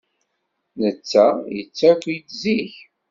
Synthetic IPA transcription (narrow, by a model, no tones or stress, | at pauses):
nət͡sːæjə̰t͡sːækʷːjt̪ziç